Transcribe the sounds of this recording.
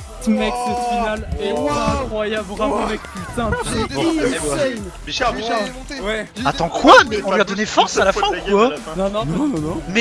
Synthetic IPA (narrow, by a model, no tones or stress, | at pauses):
t̪mɛksəfinalɛɛ̃kχwajabʁapãvɛkpysɛ̃ | waɛ | wɛat̪ɑ̃kʰwamɛɔ̃lɥiad̪ɔnefɔʁsalafɛ̃ukwa | ññnɔ̃mɛ